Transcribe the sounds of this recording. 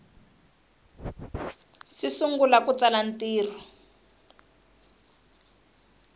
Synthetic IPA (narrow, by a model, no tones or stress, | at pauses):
sisuŋɡulakut͡salan̩tiːr̤ɔ